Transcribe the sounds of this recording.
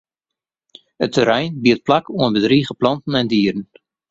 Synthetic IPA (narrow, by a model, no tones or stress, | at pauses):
ətəɾɛjnbiət̚plakuənbədriχəplɑntn̩ɛndiːəɾən̩